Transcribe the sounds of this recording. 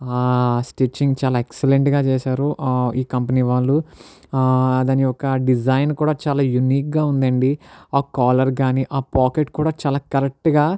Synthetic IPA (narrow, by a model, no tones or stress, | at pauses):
aːsʈit͡ʃiŋɡt͡ʃaːlaːekseleɳʈɡaːt͡ʃɛːsaːɾuiːkɐmpɐniːʋaːɭːu | ɐd̪aːniɔkɐɖid͡ʒɐjnkuːɽaːt͡ʃaːlaːjuniːk̚ɡaːund̪ɐɳɖiaːkaːlɐɾɡaːniːʔaːpaːkeʈkuːɽaːt͡ʃaːlaːkɐɾek̚ʈɡaː